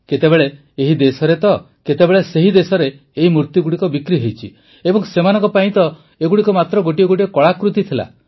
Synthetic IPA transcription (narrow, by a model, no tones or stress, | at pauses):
ket̪ebeɭe | eɦid̪esɔɾet̪ɔ | ket̪ebeɭeseɦid̪esɔɾeː | ɦimuɾt̪juɡuɽikɔbikɾiɦejt͡ʃʰi | ebɔŋsemanɔŋkɔpaĩt̪ɔ | eɡuɽikɔmat̪ɾɔɡoʈ̬iɔɡoʈiekɔɭakɾut̪it̪ʰila̰